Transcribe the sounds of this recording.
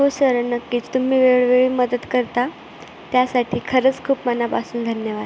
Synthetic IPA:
ɦosəɾənəkːiːt͡st̪um̤iːʋeɭʋeɭiːməd̪ət̪kəɾt̪a | t̪jasaʈʰiːkʰəɾət͡skʰuːpmanapasuːnd̪ʱənjəʋad̪

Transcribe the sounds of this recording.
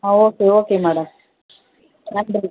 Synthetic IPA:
aoːkeoːkemaːɽɐm | nɐmd

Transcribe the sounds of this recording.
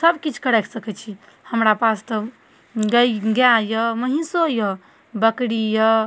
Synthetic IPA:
səbkit͡ʃʰkəɾɛkʰsəkɛt͡ʃʰi | həmɾapast̪ə | ɡəɡjajəməɦisojə | bəkɽijə

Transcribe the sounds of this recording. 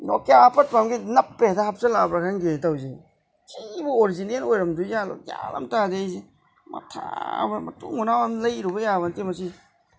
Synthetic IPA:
nɔ̰kjapat̚pamɡinɐpːedahap̚selabɾakʰanɡetawze | kʰejbuoɾizinenojɾɐmdujalɔ̰kja̰la̰mtadejze | mɐ̰tʰa̰bmɐ̰tṵŋunawamlɐjɾubɐjaβɐntimɐsi

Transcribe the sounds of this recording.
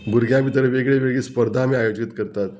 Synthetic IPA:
buɾɡjabit̪əɾəʋeɡɭeʋeɡɭiːspəɾd̪ʱamiːajod͡ʑit̪kəɾt̪at̪

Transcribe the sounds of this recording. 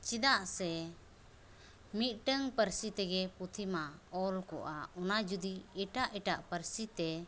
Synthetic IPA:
t͡ʃid̪aʔsɛ | mit̪̚ˀʈəŋpəɾsit̪ɛɡɛput̪ʰimaɔlkɔ̰ʔaɔnad͡ʒud̪iɛʈaʔɛʈaʔpəɾsit̪ɛ

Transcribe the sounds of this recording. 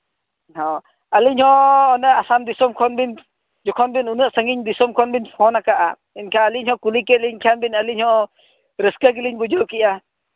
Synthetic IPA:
hɔ | aliɲhɔɔnəasamd̪isɔmkʰɔnbin | d͡ʒɔkʰɔnbinunəʔsəŋiɲd̪isɔmkʰɔnbinpʰɔnakaʔa | inkʰaːliɲhɔkulikɛliɲkʰanbinaliɲhɔ | ɾəskaɡ̬iliɲbud͡ʒɔʔkiʔa

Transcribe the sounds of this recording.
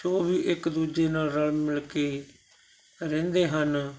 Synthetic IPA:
soːʋiːʔɪkd̪uːd͡ʒeːnaːlɾəlmɪlkeː | ɾɛ̃ːnd̪eːɦən

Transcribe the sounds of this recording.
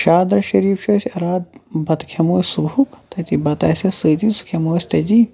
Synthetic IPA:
ʃaːd̪ɾɐʃɐɾiːfʃoːsʲɐɾaːd̪̚bɐt̪kʰɐmoːsʲsubukt̪ɐt̪ibɐt̪ɐsʲɐsɨːt̪isu̥kʰemoːsʲt̪ɐt̪i

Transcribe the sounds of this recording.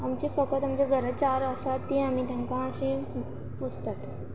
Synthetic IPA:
amt͡ɕefəkət̪amt͡ɕeɡʱəɾət͡ɕaɾəsat̪ːĩamiːt̪jãŋkãəɕẽ | pud͡zt̪at̪

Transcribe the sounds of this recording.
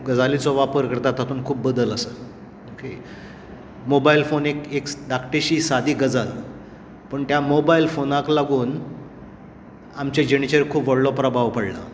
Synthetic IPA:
ɡəd͡zalit͡sɔʋapəɾkəɾt̪at̪ːat̪uːnkʰuːp̚bəd̪ələsə | okʰe | mobailfonekekɖ̪akʈeɕiːsad̪ʱiːɡəd͡zal | pəɳt̪jamobailfonãklaɡuːn | amt͡ɕed͡ʑenit͡ɕəɾkʰuːpʋəɽlɔpɾəbʱaʋpəɽla̰

